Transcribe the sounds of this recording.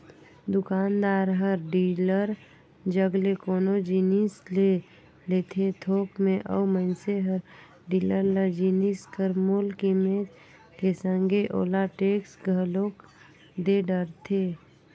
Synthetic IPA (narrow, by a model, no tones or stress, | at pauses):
d̪ʊkaːnd̪aːɾɦəɾɖiːləɾ | d͡ʒəɡlekoːnod͡ʒinisle | let̪ʰet̪ʰoːkmẽʔə̰wməɪnseɦəɾ | ɖiːləɾləd͡ʒiniskəɾmoːlkimet̪ | kesə̃ŋɡeʔo̰ːlaʈeːksɡʱəlok | d̪eɖəɾt̪ʰe